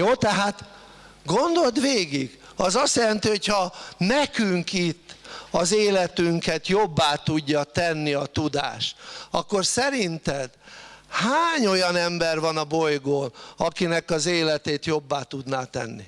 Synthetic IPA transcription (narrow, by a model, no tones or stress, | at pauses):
joːt̪ɛɦaːt̪ | ɡo̞nd̪o̞ld̪ʋeːɡiɡ | ɒzɒst̪jɛlɛnt̪iho̞chɒnɛkyŋkit̪ːɒzeːlɛt̪yŋkɛt̪jo̞bːaːt̪uɟːɒt̪ɛnːiɒt̪ud̪a̰ːʃt̪ɒkːo̞rsɛɾint̪ɛd̪haːɲo̞jɒnɛmbɛrvɒnɒbo̞jɡoːnɒkinɛkɒzeːlɛt̪eːt̪jo̞bːaːt̪ud̪naːt̪ɛ̰nːḭ